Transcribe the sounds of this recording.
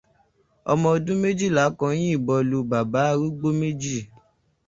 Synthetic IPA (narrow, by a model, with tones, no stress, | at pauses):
ɔ̰˧mɔ̃˧o˧dũ˦me˦d͡ʒi˦˨la˨˦kɔ̃˧j̃ĩ˦i˦˨bɔ˧lu˧ba˨ba˨˦˧ɾu˦ɡ͡bo˦me˦d͡ʒi˦˨